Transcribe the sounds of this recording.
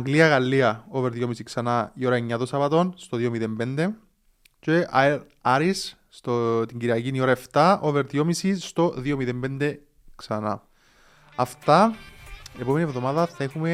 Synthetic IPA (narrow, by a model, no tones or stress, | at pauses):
ɐŋɡliɐɣɐlːiɐoveɾðjo̞misiksɐnɐio̞ɾɐe̞ɲːɐt̪osɐvɐt̪o̞nst̪oðiomiðembend̪e | ceɐeɾ | ɐɾis | t̪ot̪iɲɟiɾiɐcinio̞ɾɐe̞ft̪ɐʔoveɾðiomisist̪o̞ðiomiðembe̞nd̪e̞ | ksɐnɐ̰ | ɐft̪ɐ | epome̞nievðo̞mɐðɐθɐexume